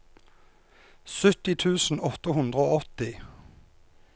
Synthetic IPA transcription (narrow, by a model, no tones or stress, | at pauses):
sʉt̪ɪt̪ʰʉːsn̩ɔt̪əhʉnd̪ʁəoːɔt̪ɪ